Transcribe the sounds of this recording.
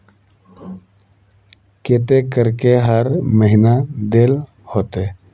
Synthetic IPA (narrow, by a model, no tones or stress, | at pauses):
ket̪ekəɾkeɦəɾməɦinad̪eːl | hoːt̪e